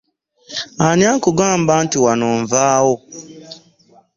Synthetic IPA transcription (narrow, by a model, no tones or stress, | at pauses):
aniakoɡam̩ban̩tiwanɔɱvaːwo